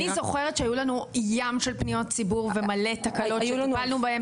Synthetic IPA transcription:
nizo̞χe̞ʁetʃeajulanujamʃelpnijo̞t̚t͡sibuʁvemale̞takaloʃebalnubaem

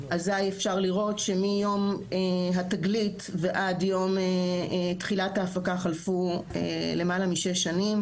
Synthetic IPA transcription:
ʔazajefʃaʁliʁo̞tʃe̞mijo̞meɦataɡlitveʔadjo̞metχilathaːfakaχalfuḛle̞malamiʃeʃːanim

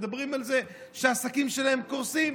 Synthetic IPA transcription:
d̪abʁimalze̞ | ʃeaːsakimʃe̞lae̞mkoʁsim

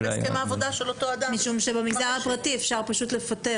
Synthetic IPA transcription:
skemaːvo̞daʃe̞lo̞to̞ad̪amiʃumʃe̞bemiɡd̪aʁhapʁatiefʃaʁpaʃutle̞fate̞

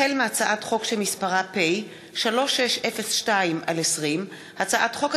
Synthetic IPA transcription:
elmeat͡saʔatχo̞kʃelmispaʁape̞j | ʃalo̞ʃeʃʔefesʃtaimalesʁim | hat͡saʔatχo̞k

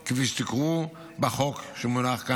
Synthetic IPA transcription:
keviʃt̪ikʁu | baχokʃemunaχka

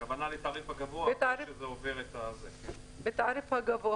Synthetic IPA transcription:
kavanalet̪aʁifhaɡavoaet̪aɾiʃezeoveʁet̪azek | bet̪aɾifhaɡavo

